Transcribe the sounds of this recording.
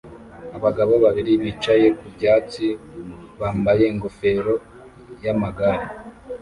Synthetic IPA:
aβaɡaβo̞βaβiɾiβit͡ʃaje̞kubjaːt͡siβaːmbaje̞ŋɡo̞fe̞ɾo̞ | jamaɡaɾi

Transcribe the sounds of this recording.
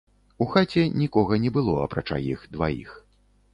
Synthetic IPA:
uxat͡sʲɛnʲikɔɣɐnʲɛbɨlˠɔɐ̰pɾat͡ʂa̰jixd̪va̰jḭx

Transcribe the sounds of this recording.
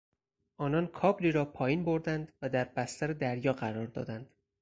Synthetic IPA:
ʔɒːnɒːnkʰɒːbliːɾɒːpʰɒːjiːnboɾd̪ænd̪væd̪æɾbæst̪æɾed̪æɾjɒːɢæɾɒːɾd̪ɒ̰ːd̪ænd̪̥

